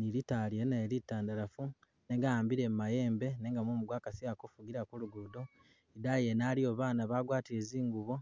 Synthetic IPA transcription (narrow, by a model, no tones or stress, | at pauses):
niɾitalieneːɾitaːndaɾafu | ne̞ŋɡajaːmbiɾe̞mumaje̞ːmbe̞neːŋɡamomuɡwaːkasiakofuɡiɾakuluɡudo | idajenalio̞βaːnaβaːɡwaːtiɾe̞ziːŋɡuβo̞